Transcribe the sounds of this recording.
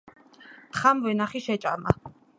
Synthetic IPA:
t̪ʰχamvɛnaχiʃɛt͡ʃʼama

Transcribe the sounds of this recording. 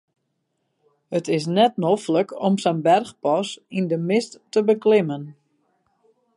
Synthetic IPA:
hətɪs̬nɛt̚nofləkɔmsənbɛrxpɔsindəmɪstːəbəklɪmən

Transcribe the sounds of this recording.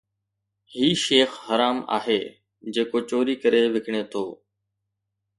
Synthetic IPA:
ɦiːʃeːxhəɾaːma̰ːɦeː | d͡ʒeːkoːt͡ʃoːɾiːkəɾeːʋɪkʰɳeːt̪ʰoː

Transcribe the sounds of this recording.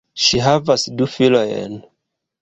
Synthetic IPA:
ʃiɦavasdufilojḛn

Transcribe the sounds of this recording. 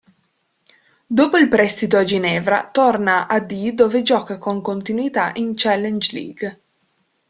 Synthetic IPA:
d̪oːpoilpɾɛst̪it̪oad͡ʒinɛːvɾa̰t̪ornaʔad̪id̪oːved͡ʒɔːkakoŋkont̪inwit̪aʔint͡ʃɛlːɛnd͡ʒlḭːɡ

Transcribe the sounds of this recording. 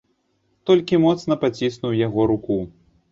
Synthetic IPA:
t̪ɔlʲkʲimɔt̪sn̪ɐpat͡sʲisnuwjaɣɔɾuku

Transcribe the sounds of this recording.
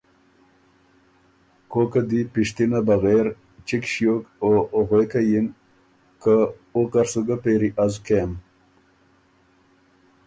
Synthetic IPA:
kokad̪ipiʂt̪inabaɣeɾ | t͡ʃikɕjokoɣekajin | kə | okaɾsuɡapeɾiʔazkem

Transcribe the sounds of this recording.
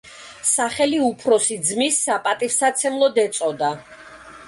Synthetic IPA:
saχɛliupʰɾɔsid̪zmisːapʼat̪ʼifsat̪sʰɛmlˠɔd̪ɛt̪sʼɔd̪a

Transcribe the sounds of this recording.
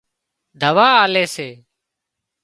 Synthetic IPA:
d̪ʱəʋaːaːleːseː

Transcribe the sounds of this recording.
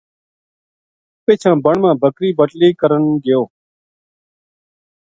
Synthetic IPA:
peːt͡ʃʰãːbəɳmãːbʱəkɾiːbəʈliːkəɾəɳɡɪjoː

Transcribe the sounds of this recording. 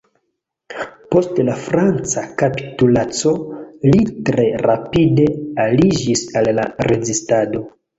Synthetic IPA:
po̞stlafɾant͡sakapi̥tulat͡so̞litɾe̞ɾapide̞alid͡ʒisalːaɾe̞zistado̞

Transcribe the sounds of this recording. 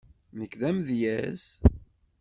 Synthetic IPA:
nəkːðæmðjæs

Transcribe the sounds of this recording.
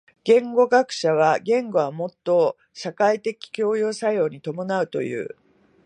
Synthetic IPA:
ɡ̥ẽ̞ŋɡo̞ɡakɯ̟̥ɕaβ̞aɡẽ̞ŋɡo̞βamo̞t̪ːo̞ | ɕakait̪e̞kʲi̥kʲo̞ːjoːsajo̞ːɲ̟it̪o̞mo̞naɯ̟t̪o̞̰jɯ̟̰ː

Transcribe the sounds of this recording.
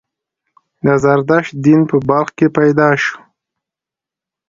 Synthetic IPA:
d̪azaɾd̪ɑʃt̪̚d̪inpəbalxkepajd̪ɑʃu̥

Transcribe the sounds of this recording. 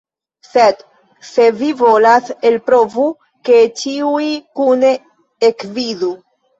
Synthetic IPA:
se̞d | se̞vivo̞lase̞lpɾo̞vu | ke̞t͡ʃiuikune̞ | ekvizu

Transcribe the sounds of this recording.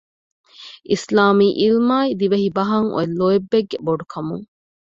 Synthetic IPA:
ʔislaːmiːʔilmaːid̪iʋeɦibɐɦɐŋo̰elːoebːeɡːeboɖukʰɐmṵŋ

